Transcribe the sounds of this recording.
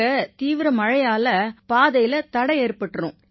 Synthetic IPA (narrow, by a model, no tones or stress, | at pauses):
ɐt̪iːʋɪɾɐmɐɻɐjaːlɐpaːðɐjɪlɐt̪ɐɽɐɪeːrpɐʈːɾṵ̃